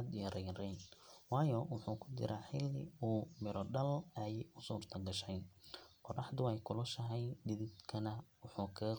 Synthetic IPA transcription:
d̪ɪjɐɾɛjrɛnwɑːjɔwʊħuːkʰʊt͡ʃɪ̰ɾʔaːħɪlːɪ̰uːmɪɾɔɖɐlɛjʊsuːrt̪ʰɐɡɐʃɛjnqɔrɑħd̪ʊɛjkʰʊlʊʃɐɦɛjɖɪðɪd̪kʰɐnɐwʊħuːkʰɐɣɐ

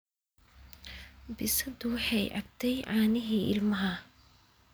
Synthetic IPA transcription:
bɪsɐd̪ʊwɑħɑjʔɑ̰ɡ̚t̪ʰɛjʕɑːnɪɦiːɪ̰lmɐɦɐ

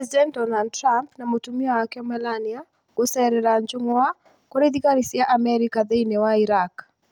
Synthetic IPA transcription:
ɛzidɛnt̚dɔnald̚tɾampnamotumiawakɛɔmɛlania | ɡ̥osɛɾɛɾaɲd͡ʒoŋwa | koɾeðikaɾisjaʔamɛɾikaðeinewaiɾak

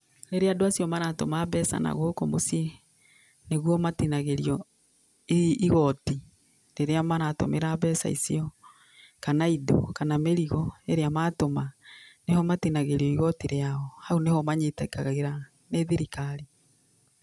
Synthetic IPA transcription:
ɾeɾeadoasjɔmaɾatomaːβɛsa̰na̰ɣohokomosie | neɣwɔmatinaɣeɾiɔ | iiɣɔti | ɾeɾeamaɾato̰meɾaβɛːsa̰ḭsiɔ | kanaido̰kanameɾiɣɔeɾeamatomanehɔmatinaɣeɾiɔiɣɔtiɾeaɔhaunehɔmaɲetaikaɣaɣeɾa | neðiɾikaɾi

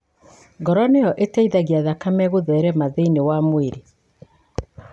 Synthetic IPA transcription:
ɡɔɾɔnejɔʔetɛiðaɣiaðakamɛɣoðɛɾɛmaðeinewamweɾe

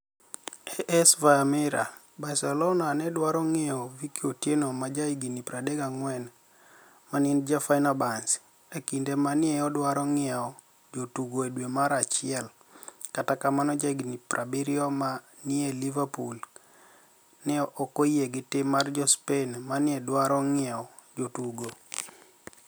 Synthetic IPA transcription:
ɛʔɛsvamɛɾa | basɛlɔnanɛdwaɾɔŋɛɔvikiotjenomad͡ʒaiɡinipɾadɛɡaŋwɛn | manɪnd͡ʒafainabans | ekindemanɪɛjɔdwaɾɔŋɪaɔ | d͡ʒotuɡoedwemaɾat͡ʃɪɛl | katakamanɔd͡ʒaiɡiniprʔabiɾɪɔma | nɪelivapul | nɛʔɔkojeɡɪtɪmard͡ʒɔspenmanɪɛdwaɾɔŋɪɛɔ | d͡ʒotuɡo

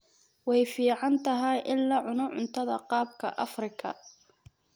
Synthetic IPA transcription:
wɛjfiːʕɑnt̪ʰɐɦɐjʔɪlːaːʕʊnɔʕʊnt̪ʰɐðɐ̰qɑːb̚kʰɐ̰ʔɐfrɪkʰɐ̰

